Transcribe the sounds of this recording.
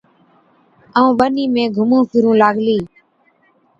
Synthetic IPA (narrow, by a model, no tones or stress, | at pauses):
əũːɓəniːmẽːɡʱʊmũːpʰɪɾũːlaːɡʱliː